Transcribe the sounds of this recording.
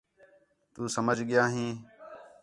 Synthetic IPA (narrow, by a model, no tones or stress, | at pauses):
t̪uːsəməd͡ʒʱɠɪjaːɦĩː